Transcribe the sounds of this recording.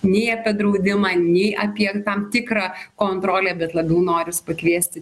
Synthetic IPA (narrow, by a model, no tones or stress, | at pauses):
nʲɛɪɐpʲiɛd̪ɾɐʊd̪ʲɪmɑːnʲɛɪʔɐpʲiɛt̪ɐmt̪ʲɪkɾɑːkoːnt̪ɾoːlʲɛːbʲɛt̪lˠɐbʲɛʊnoːɾʲɪspɐkʋʲiɛsʲt̪ʲɪ